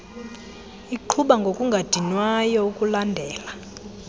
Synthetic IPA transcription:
iǃʰuɓaŋɡʱokʼuŋɡʱad̥ʱinwajɔukʼulandʱɛːla

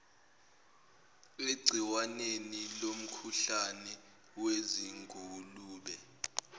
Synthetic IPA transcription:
eɡ͡ǀʱiwanenilom̩kʰuɬanɛ | weziŋɡʱuluːɓɛ

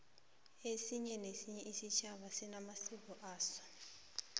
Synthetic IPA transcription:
esiɲɛnesiɲɛʔisit͡ʃʰaβasinamasikɔʔaːsɔ̥

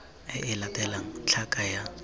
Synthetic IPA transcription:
ɪʔɪlatʼɛlaŋt͡ɬʰakʼaja

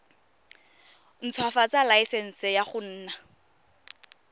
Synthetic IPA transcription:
n̩t͡sʰwafat͡salaisɛn̩sɪjaχʊn̩ːna

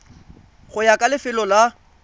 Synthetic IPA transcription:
χʊjakʼalɪfɪlɔla

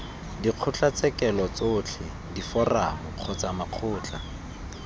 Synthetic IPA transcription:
diq͡χʰʊt͡ɬat͡sɛkɛlɔt͡soːt͡ɬʰɪ | difɔraʊq͡χʰɔt͡samaq͡χʰʊːt͡ɬʰʼa̰

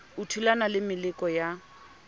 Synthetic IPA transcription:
utʰulanalɪmɪlɪkʼɔja

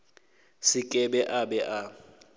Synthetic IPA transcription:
sɪkʼɛbɛʔabɛʔa

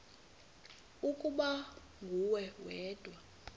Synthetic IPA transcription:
ukʼuɓa | ŋɡʱuwɛwɛːd̥ʱwa

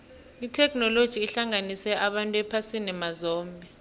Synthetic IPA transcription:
itʰɛkʰnɔlod̥ʒ̥ʱiːɬaŋanisɛʔaɓantʼuɛpʰasinɛmazɔːmbʱɛ

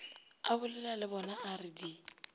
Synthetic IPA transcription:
abʊlɛlalɪbɔnaarɪdi

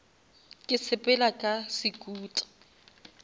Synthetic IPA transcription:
kʼɪsʰɪpʼɛlakʼasɪkʼuːtʼḁ

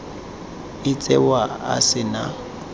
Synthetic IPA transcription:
ɪt͡sʼɛwaa̰sɪna

